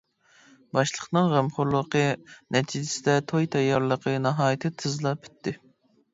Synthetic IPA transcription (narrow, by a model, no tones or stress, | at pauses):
bɑʃlˠəqnɨŋʁæmχʊɾlˠəqʰənɛt̪ʰid͡ʒɪsɪd̪ɛt̪ʰojt̪ʰɛjːɑɾlˠəqʰənɑɦɑːjɨt̪ʰɨt̪ʰɨzlˠɑpʰy̥t̪ʰːɪ